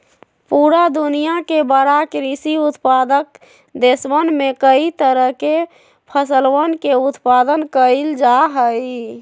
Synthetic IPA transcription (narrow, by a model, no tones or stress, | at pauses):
puɾad̪unijakebəɾakɾisiut̪pad̪ək̚ | d̪esʋənmekəit̪əɾəɦke | pʰəsəlʋənkeut̪pad̪ənkəld͡ʒaɦəj